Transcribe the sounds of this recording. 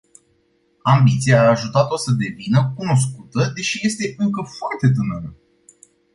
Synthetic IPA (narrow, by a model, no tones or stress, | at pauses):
ambit̪sijaːʒut̪at̪o̞səd̪e̞vinəkuno̞s̬kut̪əd̪e̞ʃije̞st̪e̞ʔɨŋkəfoart̪e̞t̪̬ɨnənə